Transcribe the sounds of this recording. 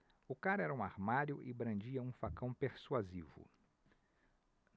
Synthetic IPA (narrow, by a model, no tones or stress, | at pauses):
ʊkaɾɛɾɐũaɾmaɾjʊʔɪbɾɐ̃nd͡ʒiɐũfakɐ̃w̃peɾsuazivʊ̰